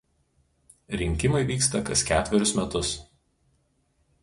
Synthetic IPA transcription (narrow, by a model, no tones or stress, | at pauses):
ɾʲɪŋʲkʲɪmɐɪʋʲiːkst̪ɐkɐskʲæːt̪ʲʋʲɛɾʲʊsmʲɛt̪ʊs